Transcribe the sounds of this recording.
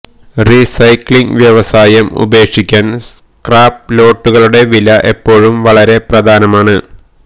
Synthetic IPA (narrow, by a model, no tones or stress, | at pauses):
risɐjkɭiŋɡʋjɐʋɐsaːjɐmṵbe̞ːkʂikʲːaːns | kraːplo̞ːʈːuɣɐɭuɽe̞ʋilɐʔe̞pːo̞ːɻumʋɐɭɐɾe̞prɐd̪ʱaːnɐmaːɳɨ